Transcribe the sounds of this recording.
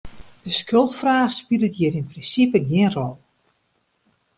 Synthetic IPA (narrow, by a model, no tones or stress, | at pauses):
d̥əskʰølˠtfraːxspilˠətjɪɾinprinsipəɡjɪənrɔlˠ